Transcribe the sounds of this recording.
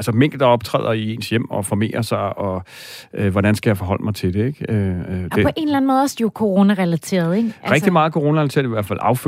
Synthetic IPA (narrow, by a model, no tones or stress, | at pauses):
ælsəmeŋ̰ɡ̥l̩d̥ɑ̈ɒ̽b̥̚t͡sʰʁɛ̰ːð̰ˠɐie̝̰ːnsjem̰ɒ̽fɒme̝̰ːɐsɑ̈ɪɒ̽ | øʋɒɾænsɡ̥æjaɪfɒ̽ɦɒ̽l̰əmɑ̈ɪt͡sʰe̝d̥e̝eɡ̥ø̥epʰɔʔe̝nlæn̩moːð̩ˠɒsd̥ikʰo̝ʁo̝ːnæʁɛlæt͡sʰe̝̰ːɐð̞̩ˠeɡ̥ʁɛɡ̥d̥imɑ̈ːð̩ˠkʰoʁo̝ːnɐʁɛlæt͡sʰe̝̰ɐðˠiʋæɐd̥fæl̰ɑ̈ʊfø